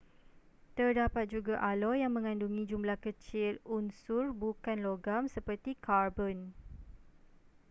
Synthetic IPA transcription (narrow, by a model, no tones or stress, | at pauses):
t̪ərdapat̪̚d͡ʒuɡaʔalojaŋmə̃ŋãnduŋĩd͡ʒumlahkət͡ʃɪlunsʊrbukanloɡamsəpərt̪ikarbɔn